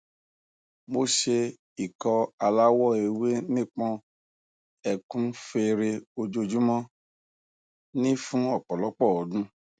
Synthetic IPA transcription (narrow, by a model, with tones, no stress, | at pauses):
mo˦ʃe˧ | i˨kɔ˧a˧la˦wɔ˦˨e˧we˦nĩ˦k͡pɔ̃˧ | ɛ˧kũ˦fe˧ɾe˧o˧d͡ʒo˧d͡ʒu˦mɔ̃˦ | nĩ˦fũ˦ɔ˦˨k͡pɔ˨lɔ˨˦k͡pɔ˦˨ɔ˨dũ˦